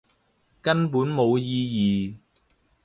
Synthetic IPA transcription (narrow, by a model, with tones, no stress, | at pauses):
kɐ˥npuː˨˥nmo˨˧wjiː˧jiː˨